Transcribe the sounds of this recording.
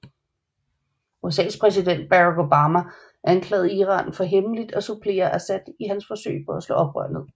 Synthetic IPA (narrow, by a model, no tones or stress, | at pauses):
uesɛ̰ːspʰʁɛs̬id̥en̰d̥̚b̥æʁɑ̈ɡ̥o̝b̥ɑ̈ːmæ | ʔænkʰlɛ̰ːð̞̩ˠiːʁɑ̰̈ːnfɒ̽ɦeməlid̥ɒsupʰle̝̰ːɐʔæsæd̥iɦænsfɒ̽sø̰ɪpʰɒ̽æslɔ̰̽ːɒ̽b̥ʁœ̰ɐ̰nəð̩ˠ